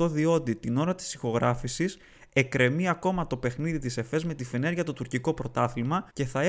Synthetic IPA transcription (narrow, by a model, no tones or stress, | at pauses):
o̞ðio̞t̪it̪ino̞ɾɐt̪i̥sixo̞ɣɾɐfisis | e̞kɾe̞miɐko̞mɐt̪o̞pe̞xniðit̪ise̞fe̞zme̞t̪ife̞ne̞ɾʝɐt̪ot̪uɾciko̞pɾo̞t̪ɐθilmɐce̞θɐe